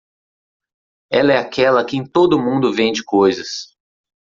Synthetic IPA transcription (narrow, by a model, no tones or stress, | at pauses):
ɛlɐɛakʰɛlɐkɪẽj̃t̪od̪ʊmũd̪ʊvẽd͡ʒɪkojzɐs